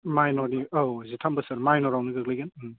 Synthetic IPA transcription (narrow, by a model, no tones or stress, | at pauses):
majnɔɾniowzitʰambɐsaɾmajnɔɾawniɡɯɡlajɡanm